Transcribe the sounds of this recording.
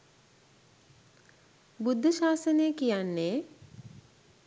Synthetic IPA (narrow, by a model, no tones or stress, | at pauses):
bud̪ʱːəʃaːsənejəkijanːeː